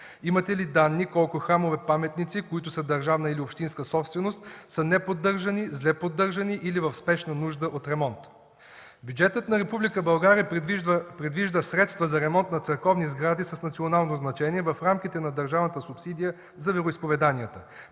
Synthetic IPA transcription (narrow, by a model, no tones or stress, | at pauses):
imət̪ɛlid̪anːikɔlˠkʊxɾamovɛpamɛt̪nit̪sikoit̪ʊsəd̪ɐɾʒavnəiliopʃt̪inskəsɔpst̪vɛnost̪sənɛpod̪ːɤɾʒɐnizlɛpod̪ːɤɾʒɐniʔilivɐfspɛʃnənuʒd̪əʔot̪ɾɛmɔnt̪ | bʲjud͡ʒɛt̪ət̪nɐɾɛpublikəbɐlˠɡaɾiəpɾɛd̪viʒd̪əsɾɛt̪st̪vəzɐɾɛmɔnt̪nɐt̪sɛɾkɔvnizɡɾad̪isɐsnɐt̪sionalˠnoznɐt͡ʃɛniɛvɐfɾamkit̪ɛnɐd̪ɐɾʒavnət̪əsʊpsid̪ijə | zɐvɛɾoispovɛd̪anijət̪ə